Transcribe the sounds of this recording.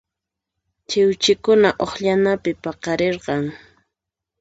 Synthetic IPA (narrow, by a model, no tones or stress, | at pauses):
t͡ʃɪwt͡ʃɪkʊnaʔoχʎanapɪpɑqɑɾeɾqɑŋ